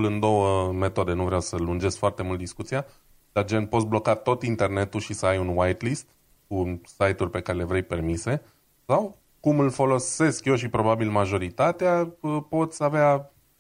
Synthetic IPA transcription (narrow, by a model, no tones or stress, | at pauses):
lɨnd̪o̞wəme̞t̪o̞d̪e̞nuvɾeawsəlund͡ʒe̞sfoart̪e̞mult̪̚d̪iskut̪sia | d̪̥ad͡ʒen̚po̞t̪sʲblo̞kat̪o̞t̪int̪e̞rne̞t̪uʃisəajunwajt̪list̪ | kusajt̪ulpe̞kaɾelevɾejpe̞rmise̞ | saw | kumɨlfo̞lo̞se̞skje̞wʃ̬ipɾo̞babilmaʒo̞ɾit̪at̪eaəpo̞t̪sʲavea